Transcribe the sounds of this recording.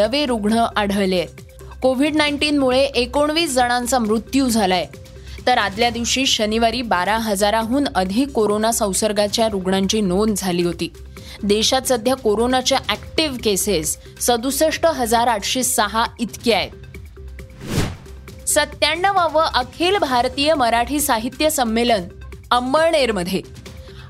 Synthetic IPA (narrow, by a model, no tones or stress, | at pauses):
nəʋeɾuɡɳəʔaɽ̤əʋle | koʋ̤iɖnaiɳʈiːnmuɭeʔekoɳʋiːsd͡zəɽ̃ant͡samɾut̪jud͡zʱalaje | t̪əɾad̪ljad̪iʋɕiːɕəniʋaɾiːbaɾaɦəd͡zaɾaɦuːnəd̪ʱiːkːoɾonasə̃w̃səɾɡat͡ɕjaɾuɡɳaɲt͡ɕiːnond͡zʱaliːɦot̪iː | d̪eɕat̪səd̪ʱjakoɾonat͡ɕjaʔækʈiʋkesesː | əd̪usəʂʈəɦəd͡zaɾaʈʰɕiːsəɦait̪kiae | sət̪jaɳːəʋaʋəʔəkʰiːlbʱaɾt̪ijəməɾaʈʰiːsaɦit̪jəsəmːelənəmbəɭɳeɾməd̪ʱje